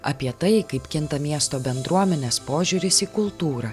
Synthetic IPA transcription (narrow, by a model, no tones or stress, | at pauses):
ɐ̰pʲiɛt̪ɐɪkɐɪpkʲɪnt̪ɐmʲiɛst̪oːbʲɛnd̪ɾuɔmʲɛnʲeːspoːʒʲʊːɾʲɪsiːkʊlˠt̪uːɾɐ